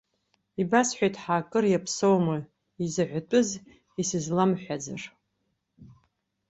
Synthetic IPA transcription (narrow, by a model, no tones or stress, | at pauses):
ibasħʷᶣajtʰʼħaːkʼɨrjapʰsowmɨ | izɨʕʷatʷʼʊz | isɨzlamħʷᶣad͡zar